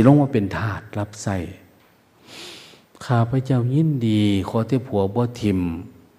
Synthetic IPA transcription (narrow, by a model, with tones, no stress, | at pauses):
i˧˨lɔː˧˥˨ŋwɔː˧˦pe˨nt̪ʰaː˧˩t̪̚la˧˥p̚sa˧˩j | kʰaː˧˩pʰa˧˨t͡ɕa˧˥˩wŋi˧˥˨ndiː˨˩kʰɔː˧˦t̪ʰeː˧˦˨pʰu˨˦ɐbɔː˧˦t̪ʰi˧˩m